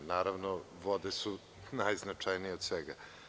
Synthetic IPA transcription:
naːɾavnoʋod̪esu | najznat͡ʂajnijeod̪sʋeɡa

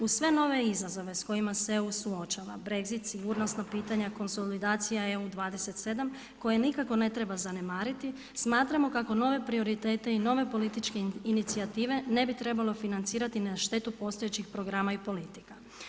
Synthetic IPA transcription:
usʋe̞no̞ʋe̞izazo̞ʋe̞sko̞jimaseusuo̞t͡ʃaʋa̰bɾe̞ɡzit̪siɡuːɾno̞st̪napiːt̪aɲako̞nso̞lid̪aːt̪sijaeud̪ʋaːd̪e̞se̞t̪se̞d̪am | ko̞jenikako̞ne̞t̪ɾe̞bazane̞maːɾit̪i | smaːt̪ɾamo̞kako̞no̞ʋe̞pɾio̞ɾit̪e̞ːt̪e̞ino̞ʋe̞po̞lit̪it͡ʃke̞init̪siat̪iːʋe̞ne̞bit̪ɾe̞balˠo̞finant̪siːɾat̪inaʃt̪e̞t̪upo̞st̪oet͡ɕixpɾo̞ɡɾaːmaipo̞lit̪ika

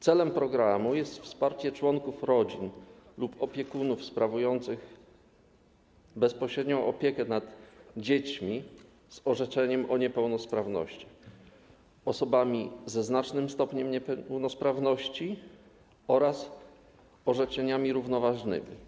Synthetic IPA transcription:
t̪sɛlɛmpɾɔɡɾamujɛst̪fspaɾt͡ɕɛt͡ʂwɔŋkufɾɔd͡ʑin | lupʰɔpʲjɛkunufspɾavujɔnt̪sɘɣ | bɛspɔɕɾɛd̪ɲɔ̃w̃ʔɔpʲjɛkɛnad̪d͡ʑet͡ɕmʲi | z̥ɔʐɛt͡ʂɛɲɛmʔɔɲɛpɛwnɔspɾavnɔ̰ɕt͡ɕɛ̥ | ɔsɔbamʲizɛznat͡ʂnɘmst̪ɔpɲɛmɲɛpɛwnɔspɾavnɔɕt͡ɕi | ɔɾas | ɔʐɛt͡ʂɛɲamʲiɾuvnɔvaʐnɘ̰mʲḭ

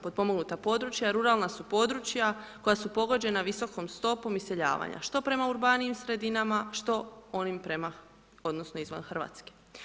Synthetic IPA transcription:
pod̪po̞moɡnut̪apo̞d̪ɾut͡ʃjaɾuɾalˠnasupo̞d̪ɾut͡ʃjako̞jasupo̞ɡo̞d͡ʑe̞naʋiso̞ko̞mst̪o̞po̞mise̞ʎa̰ːʋa̰ɲa̰ʃt̪o̞pɾe̞mauɾbaniimsɾe̞d̪inamaʃt̪o̞o̞nimpɾe̞ma | o̞d̪no̞snoizʋa̰nxrʋa̰ːt̪ske̥

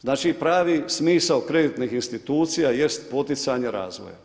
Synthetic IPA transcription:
znaːt͡ʃipɾaːʋismiːsawkɾe̞d̪it̪nixinst̪it̪uːt̪sijaje̞st̪po̞t̪it̪saɲeɾa̰ːzʋo̰ja̰

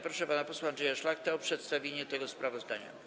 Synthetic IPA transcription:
pɾɔʂɛpanapɔswaandʐɛjaʂlaxt̪aɔpʂɛt̪st̪avʲjeɲɛt̪ɛɡɔspɾavɔzd̪aɲa̰

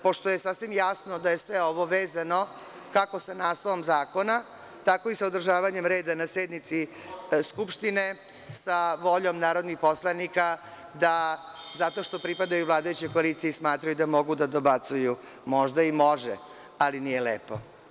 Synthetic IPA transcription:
po̞ʂt̪ojesafsʋimjasnod̪ajesʋeo̞ʋo̞ʋeːzano̞ | kako̞sanaːsloʋo̞mzaːko̞na | t̪ako̞isaod̪r̩ʒaːʋaɲe̞mɾe̞ːd̪anased̪nit̪si | skupʃt̪ine̞ | saʋo̞ʎo̞mnaːɾod̪nixpo̞slˠanika | d̪azat̪o̞ʃt̪o̞pɾipad̪ajulˠaːd̪ajut͡ɕekoalit̪sijeismaːt̪ɾajud̪amo̞ɡud̪ad̪o̞bat̪suju | mo̞ʒd̪aimo̞ʒɛ̰ | alinijelḛːpo̞

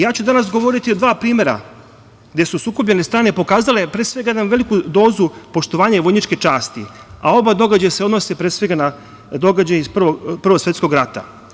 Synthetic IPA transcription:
jaːt͡ɕud̪anasɡo̞ʋo̞ɾit̪io̞d̪ʋaːpɾiːme̞ɾa̰ | ɡd̪e̞susuːkopʎenest̪ɾaːnepo̞kaːzale̞pɾesʋe̞ɡajed̪amʋe̞likud̪o̞ːzupo̞ʃt̪o̞ʋaːɲaʋo̞jnit͡ʃke̞t͡ʃaːst̪ḭ | ao̞bad̪o̞ɡaajaseod̪nosepɾeːsʋe̞ɡana | d̪o̞ɡad͡ʑajispr̩ʋopr̩ʋosʋe̞t̪sko̞ɡɾat̪a̰

